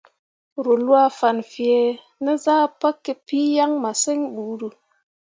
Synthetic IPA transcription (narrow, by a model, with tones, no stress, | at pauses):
ɾu˨lwa˦fa˨nfje˨ | ne˦zaː˦pa˦kːe˦pi˦ja˦ŋma˨se˦ŋɓu˨˦ɾu˨